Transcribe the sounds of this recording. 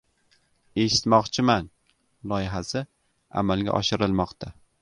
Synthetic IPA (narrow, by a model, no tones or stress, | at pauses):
e̞ʃɪ̥t̪mɒqt͡ʃʰɪman | lˠɒjɪɦasɪ | a̰malˠɡʲa̰ʔɒ̰ʃɪɾɪlˠmɒqt̪ʰa